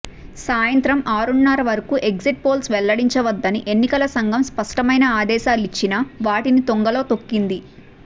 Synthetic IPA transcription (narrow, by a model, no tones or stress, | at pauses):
saːjɐnt̪ɾɐmʔaːɾunːɐɾɐʋɐɾɐkuʔe̞ɡziʈ̚po̞ːlsʋɛlːɐɽiɲt͡ʃɐʋɐd̪ːɐniʔe̞nːikɐlɐsɐŋɡʱɐmspɐʂʈɐmɐjnɐaːd̪ɛːʃaːlit͡ʃːinɐʋaːʈinit̪oŋɡɐlo̞ːt̪o̞kːind̪i